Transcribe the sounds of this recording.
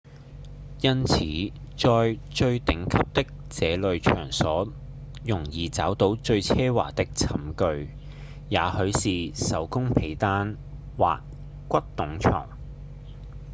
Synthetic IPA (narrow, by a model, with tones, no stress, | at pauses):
jɐ˥nt͡sʰiː˨˥ | t͡sɔː˧jt͡ʃɵ˧ɥt̪ɪ˨˥ŋkʰɐ˥p̚t̪ɪ˥k̚t͡sɛː˨˧lɵ˨ɥt͡ʃʰœː˨˩ŋsɔː˨˥ | jʊ˨˩ŋjiː˨t͡saː˨˥wt̪o˨˥wt͡ʃɵ˧ɥt͡sʰɛː˥wa̰ː˨˩t̪ɪ˥k̚t͡sʰɐ˨˥mkɵ˧ɥ | jaː˨˧hɵ˨˥ɥsiː˨sɐ̰˨˥wkʊ˥ŋpʰe˨˥jt̪aː˥n | wa̰ː˨k̚ | kʷɐ˥t̚t̪ʊ˨˥ŋt͡ʃʰɔ̰ː˨˩ŋ